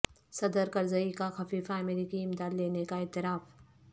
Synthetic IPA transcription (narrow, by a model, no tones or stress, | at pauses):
sɐd̪əɾkɐɾzɐikaxɐfiːfaɐmeːɾiːkiɪmd̪aːd̪leːnekaɪt̪ɪɾaːf